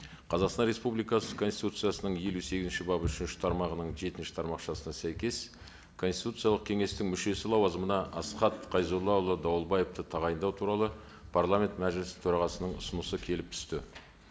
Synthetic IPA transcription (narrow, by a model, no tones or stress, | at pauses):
qʰɑzɑqsɑnɾe̞spublˠijkɑsəkʰo̞nst̪i̥t̪ut̪sɨjasənəɴje̞luse̞ɡʲɪzɪnʃɪbɑpəʏʃɪnʃɪ̥t̪ʰɑɾmɑʁənəɴʒe̞t̪ɪnʃɪ̥t̪ʰɑɾmɑqʃɑsənɑsæjkʲe̞s | kʰonst̪i̥t̪ut̪sɨjɑlˠəq̚kʲʰe̞ŋe̞st̪ɪŋmʏʃe̞sɪlˠɑwɑzəmənɑʔɑsqɑt̪qʰɑjzolˠːɑʊlˠːəd̪ɑwəlˠbɑje̞ft̪ət̪ʰɑʁɑjənd̪ɑwt̪ʰuɾɑlˠə | pʰarlˠamʲe̞nt̪mæʒɪlɪsɪ̥t̪ʰɵɾɑʁɑsənəɴʊsʊnəsəkʲʰe̞lɪp̚t̪ʰʏ̥st̪ɪ